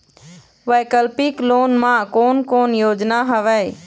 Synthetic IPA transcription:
ʋəjkəlpɪkloːnmãːkoːnkoːnjoːd͡ʒnaːɦəʋɛ

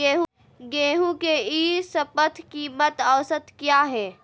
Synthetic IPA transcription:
eːɦ | ɡeːɦũkeiːsɐpət̪ʰkimət̪əʋsət̪kjaːɦɛː

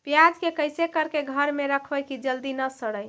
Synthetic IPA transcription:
pjad͡ʒkekəjsekəɾkeɡʱəɾmeɾəkʰbəjkid͡ʒəld̪inəsəɽəj

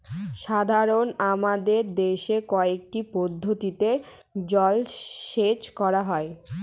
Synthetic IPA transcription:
ʃad̪ʱaɾonamad̪eɾd̪eʃekɔek̚ʈipod̪ʱːot̪it̪ed͡ʑɔlʃet͡ɕkɔɾaɦɔe

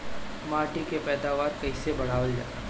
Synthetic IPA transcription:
maːʈikepɛːd̪aːʋaːɾkɐɪsebɐɽ̤aːʋəld͡ʒa̰ː

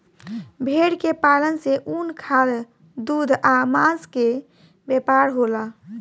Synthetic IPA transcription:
bʱeɽkepalənseʔunkʰal | d̪ud̪ʱamãske | bepaɾɦola

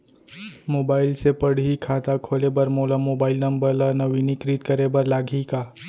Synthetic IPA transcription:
moːbaːɪlsepɐɽ̤ikʰaːt̪akʰoːlebɐɾmoːlamoːbaːɪlnɐ̃mbəɾlanɐʋiːnikɾiːt̪̚kɐɾebɐɾlaːɡʱikaː

